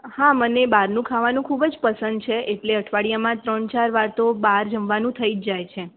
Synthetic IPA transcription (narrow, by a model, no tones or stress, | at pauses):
hãmənebaɾnũkʰaʋanũkʰubəd͡ʒpəsənd̪̚t͡ʃʰeʔeʈleəʈʰʋaɽijamãt̪ɾəɳt͡ʃaɾʋaɾt̪obaɾd͡ʒəmʋanũt̪ʰəid͡ʒd͡ʒajt͡ʃʰe